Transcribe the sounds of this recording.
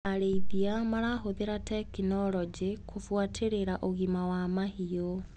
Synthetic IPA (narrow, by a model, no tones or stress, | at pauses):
aɾeiðiamaɾaɦoðeɾatɛkinɔlɔd͡ʒikʰofwatʰeɾeɾaʔoɣimawamahio